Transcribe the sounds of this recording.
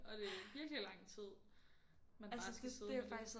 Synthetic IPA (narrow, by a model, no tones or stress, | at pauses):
ɒ̽d̥e̝æʋiɐɡ̥lilɑ̈ŋ̰t͡sʰið̰ˠ | mænælasəseðe̝fɑ̈ɡ̥d̥is